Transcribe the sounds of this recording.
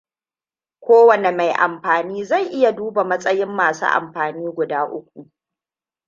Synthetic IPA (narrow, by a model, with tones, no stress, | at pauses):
kʷoː˦wɐ˨ne˨ma˨jʔa̰˨mɸaː˨niː˦za˦˨jʔɪ˦ja˨duː˦ba˨mɐ˦sʼɐ˦jɪ˦mːaː˨sṵː˦ʔa̰˨mɸaː˨niː˦ɡʷʊ˨daː˦ʔʊ˦kʷu˨ʔ